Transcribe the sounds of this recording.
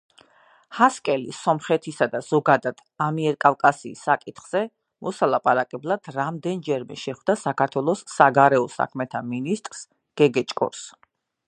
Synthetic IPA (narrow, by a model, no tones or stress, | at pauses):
haskʼɛlḭsɔmχɛt̪ʰisad̪az̥ɔɡad̪ad̪̥amiɛɾkʼavkʼasḭːsːakʼit̪ʰχz̥ɛ | mɔsalˠapʼaɾakʼɛblˠad̪̥ɾamd̪ɛnd͡ʒɛɾmɛ̰ʃɛχwd̪asakaɾt̪ʰwɛlˠɔsːaɡaɾɛɔsa̰kʰmɛt̪ʰaminist̪ʼɾs | ɡ̥ɛɡɛt͡ʃʼkʼɔ̰ɾs